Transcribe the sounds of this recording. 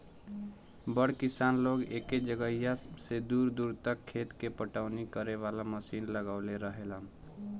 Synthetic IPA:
bəɽkisanloɡḛked͡ʒəɡəjased̪uɾd̪uɾt̪əkʰːet̪kepəʈaʊnikəɾeʋalaməsinləɡaʊleɾəɦelam

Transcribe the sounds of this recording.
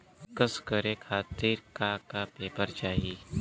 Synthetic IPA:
kəskəɾekʰaːt̪iɾkakapeːpəɾt͡ʃaːɦi

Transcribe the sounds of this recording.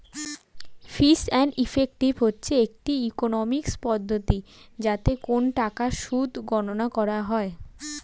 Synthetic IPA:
fisɛnifek̚ʈibʱɦotːɕʰeek̚ʈiikonɔmikspɔd̪ʱːot̪id͡ʑat̪ekonʈakaʃud̪ʱɡɔnonakɔɾaɦɔe

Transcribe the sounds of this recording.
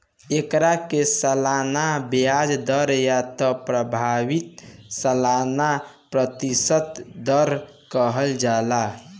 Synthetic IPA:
ekɾakesəlanabjad͡ʒd̪əɾjat̪ɔpɾəbʱawit̪səlana | pɾət̪isət̪d̪əɾ | kəɦəld͡ʒala

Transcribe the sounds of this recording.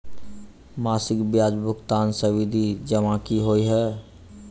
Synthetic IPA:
maːsɪkbjaːd͡ʒbʱʊkt̪aːnsəwid̪ʱid͡ʒəmãkiɦoiɦɛ

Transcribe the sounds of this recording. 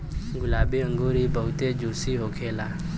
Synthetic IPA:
ɡʊlaːbeə̃ŋɡoːɾibəɦut̪ed͡ʒusiɦokʰeːla

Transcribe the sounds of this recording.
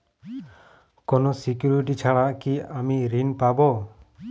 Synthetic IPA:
kɔnɔsikjuɾiʈit͡ʃʰaɭaʔkiamiɾinpabɔ

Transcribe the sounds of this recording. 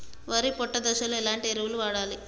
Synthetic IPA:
ʋɐːɾipɔʈːɐd̪ɐʃɐluilaːɳʈieɾuʋuluʋaːɽaːli

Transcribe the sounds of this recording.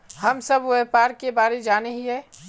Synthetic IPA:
hɐmsəbweːpaːɾkebaːɾed͡ʒaːneɦiɦɛː

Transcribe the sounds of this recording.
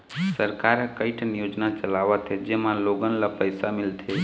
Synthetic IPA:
səɾkaɾkəɪʈʰnijod͡ʒnat͡ʃəlaʋət̪ʰed͡ʒemãloɡənlapəjsamilt̪ʰe

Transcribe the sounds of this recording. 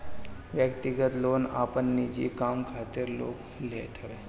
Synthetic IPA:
ʋjəkt̪iɡət̪lona̰pənːid͡ʑḭkamkʰat̪iɾlo̰k | let̪ʰəʋe

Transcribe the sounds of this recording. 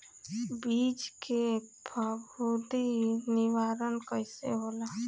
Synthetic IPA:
biːd͡ʒkebʰʱəbud̪inɪwaːɾənkəɪsḛɦoːla

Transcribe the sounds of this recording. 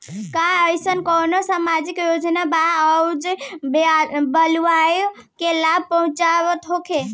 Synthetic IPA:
kaəjsənkonosamad͡ʒikjod͡ʒnabaəud͡ʒbebəlʋajo | kelab̚ʱpəɦũt͡ʃaʋət̪ɦokʰe

